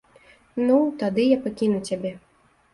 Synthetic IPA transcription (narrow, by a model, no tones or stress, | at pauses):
nut̪ad̪ɨjapakʲinut͡sʲabʲɛ